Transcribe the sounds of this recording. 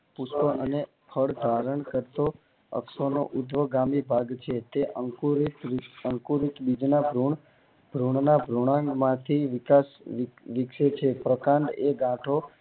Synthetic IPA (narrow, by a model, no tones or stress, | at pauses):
pʊspəʔəne | pʰəɭd̪ʱaɾəɳkəɾt̪o | ə̰ksono̰ʔʊd̪ʋəɡamibʱaɡt͡ʃʰet̪eʔəŋkuɾitəŋkuɾik̪bid͡ʒnabʱɾuɳ | b̥ʱɾuɳnabʱɾuɽ̃ãŋɡmãt̪ʰiʋɪkasʋɪkʃet͡ʃʰepɾəkãnd̪eɡãʈʰo